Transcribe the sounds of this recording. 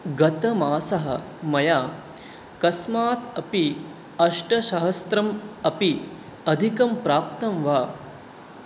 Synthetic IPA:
ɡɐt̪ɐmaːsɐɦɐ̰ | mɐjaː | kɐsmaːt̪ɐpi | ɐʂʈɐʃɐɦɐst̪ɾɐmɐpi | ɐd̪ʱikɐmpɾaːp̚t̪ɐmʋaː

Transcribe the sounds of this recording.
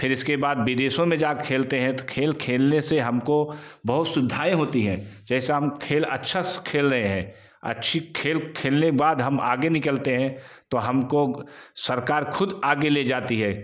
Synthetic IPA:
pʰɪɾɪskebaːd̪bid̪eːʃõmẽd͡ʒaːkʰeːlt̪eɦɛ̃t̪okʰeːlkʰeːlneseɦɐmkobɐɦʊt̪sʊd̪ʱaːẽɦoːt̪iɦɛ̰̃ːd͡ʒɛːseɦɐmkʰeːlɐ̰tːʃʰaskʰeːlɾɐɦeɦɛ̃ː | ɐ̰tːʃʰikʰeːlkʰeːlnebaːd̪ɦɐma̰ːɡenɪkəlt̪eɦɛ̃ | t̪oɦɐmkosɐɾkaːɾkʰʊd̪aːɡeleːd͡ʒaːt̪iɦɛː

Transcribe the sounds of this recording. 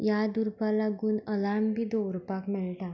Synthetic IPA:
jad̪uɾpalaɡuːnəlambʱid̪oɾpakmiɭʈ̪a

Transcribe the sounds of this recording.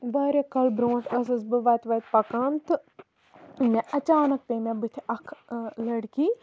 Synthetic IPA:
bɐːɾʲekɐlbɾõːʈʰɐsɨsbɨʋɐːt̪ʋɐːt̪̚pɐkant̪ | mẽʔɐt͡ʃaːnɐk̚peːmẽbɨt̪ʰʔɐkʰlɐɽkiː

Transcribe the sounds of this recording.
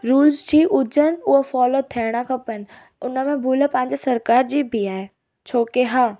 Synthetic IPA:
ɾuːlzd͡ʑiːʔʊd͡ʑən̆ʊɦofɔːlot̪ʰiɽ̃əkʰɐ̃pənɪ̆ | ʊnəmẽbʱuləpɐ̃ɦɪ̃ɲd͡ʑesɐɾkaːɾd͡ʑiːbʱiaːɦe | t͡ɕʰoːkeɦaː

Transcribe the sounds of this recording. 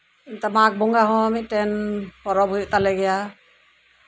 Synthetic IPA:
int̪amak̚bɔŋɡaɦɔ̃mit̪̚ˀtɛnhɔɾɔbʱujuʔt̪alɛɡɛja

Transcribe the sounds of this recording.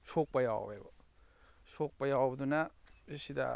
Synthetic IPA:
sok̚pɐja̰w̰bḛbɔ | sok̚pɐjawbɐdunaisida̰

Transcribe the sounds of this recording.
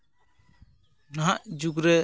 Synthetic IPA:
naɦaʔd͡ʒuɡɾɛ

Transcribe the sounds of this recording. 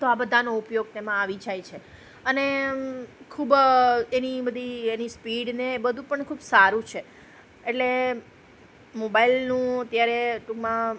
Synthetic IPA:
t̪oabəd̪ʱanoʊpjoɡ̚t̪emãaʋid͡ʒajt͡ʃʰe | əne | kʰubenibəd̪ʱienispiɽnebəd̪ʱũpəɳkʰuːbsaɾũt͡ʃʰe | eʈle | mobailnũət̪jaɾeʈukmã

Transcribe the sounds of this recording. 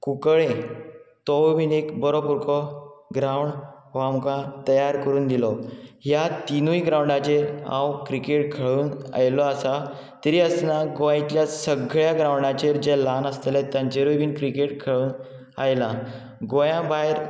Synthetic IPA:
kukɭẽt̪ɔwʋiːnekbəɾopuɾkɔɡɾawɳɖ | ʋamkãt̪əjaɾkəɾuːnd̪ilɔɦjat̪inuiɡɾãwɳɖat͡ɕeɾã̰wkɾikeʈkʰəɭuːna̰jlɔasa | t̪əɾiːəsnaɡoajt͡ɕjasəɡɭjaɡɾawɳɖat͡ɕeɾd͡ʑelanəst̪elet̪jãnt͡ɕeɾujʋiːnkɾikeʈ̚kʰəɭuːn | a̰jla | ɡojãbaɦeɾ

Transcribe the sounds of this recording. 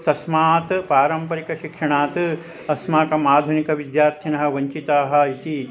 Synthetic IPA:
t̪ɐsmaːt̪paːɾɐmpɐɾikɐʃikʂɐɳaːt̪ɨ | ɐsmaːkɐmaːd̪ʱunikɐʋid̪jaːɾt̪ʰinɐɦɐ̆ʋɐɲt͡ʃit̪aːɦɐ̆it̪i

